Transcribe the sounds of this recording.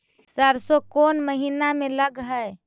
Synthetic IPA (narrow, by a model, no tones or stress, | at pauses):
səɾsokonməɦinameləɡɦəj